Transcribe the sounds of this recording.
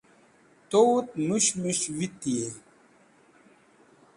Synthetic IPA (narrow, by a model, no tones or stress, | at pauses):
t̪owt̪̚muɕmuɕwit̪ie